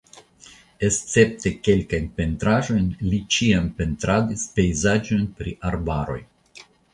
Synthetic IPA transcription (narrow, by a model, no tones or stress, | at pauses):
e̞st͡se̞p̚t̪e̞ke̞lkajnpe̞nt̪ɾaʒo̞jnlit͡ʃiampe̞nt̪ɾad̪ispe̞jzad͡ʒo̞jnpɾiʔaɾbaɾo̞j